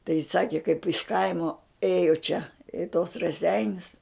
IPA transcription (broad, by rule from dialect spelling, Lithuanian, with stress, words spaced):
tɐɪ jɪs ˈsɑːkʲɪ kɐɪp ɪʃ ˈkɐɪmoː ˈeːjoː t͡ʃʲɛ ɪ toːs rɐˈsʲɛɪnʲʊs